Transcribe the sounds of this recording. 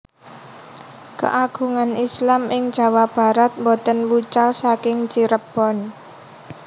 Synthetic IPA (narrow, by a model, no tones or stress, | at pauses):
kə̰ʔaɡ̥ṳŋanislamɪŋ̥d͡ʒ̥a̤wab̥a̤ɾat̪̚mbɔt̪ənwut͡ʃalsakɪŋt͡ʃiɾəb̥ɔn